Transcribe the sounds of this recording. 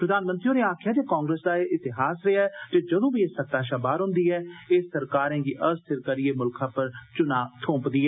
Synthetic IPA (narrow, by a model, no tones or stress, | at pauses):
pɾəd̪aːnmənt̪ɾiõːneːaːkʰjaːd͡ʒ̪eːkãːŋɡɾeːsd̪aːʔɪt̪ɪɦaːsɾɪaːɛːt̪eːd͡ʒəd̪õːbiːeːsət̪aːʃaːbaːɾɦʊ̃nd̪iːɛːɪːsəɾkaːɾɛ̃ːɡiːʔəst̪ʰɪɾkəɾieːmʊlkãːpəɾt͡ʃʊnaːt̪ʰõːpd̪iːɛː